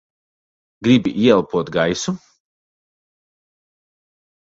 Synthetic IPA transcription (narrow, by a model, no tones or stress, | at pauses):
ɡɾibiʔjelˠpod̪ɡajsu